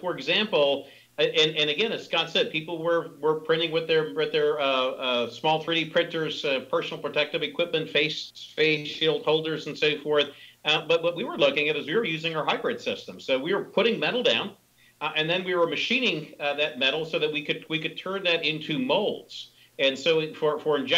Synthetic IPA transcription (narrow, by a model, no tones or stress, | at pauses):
fə˞ɨɡzæ̃mpl̩ˠ | ɨ̃nɨ̃nɨɡɛ̃nɨskɑd̥sɛd̚pʰipl̩ˠwə˞wə˞pʰɹ̥ɪ̃ñɪ̃ŋwɨðə˞wɨðə˞ | smɔlˠθʰɹ̥iɾipʰɹ̥ɪ̃ntə˞z̥pʰɜ˞sn̩l̩ˠpʰɹ̥ɨtʰɛk̚tɨvɨkʰw̥ɪp̚mɨ̃ntfeɪsfeɪsilˠd̚hoʊlˠdə˞zn̩soʊfɔɹθbʌt̚wʌt̚wiwə˞lʊkɪ̃ŋɨɾɨzwiwə˞jʉzɪ̃ŋə˞ɦaɪbɹɪd̥sɪstə̃msoʊwiwə˞pʰʊɾɪ̃ŋmɛɾl̩ˠdãʊ̃n | ɨ̃nðɨ̃nwiwə˞mɨʃĩnɪ̃ŋðɨt̚mɛɾl̩ˠsoʊðɨt̚wikɨd̚wikɨd̚tʰɜ̃˞nðɨɾɪ̃ntʰʉmoʊlˠdz̥ | ɨ̃nsoʊfə˞fə˞ɨ̃nd͡ʒ